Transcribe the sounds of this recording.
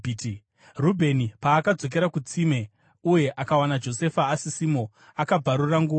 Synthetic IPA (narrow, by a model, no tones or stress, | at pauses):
rubʱe̞nipaːkad͡zo̞k̬eɾakut͡sime̞ | uje̞ʔakawanad͡ʒo̞se̞faːsisimo | akab͡vaɾuraŋɡuːa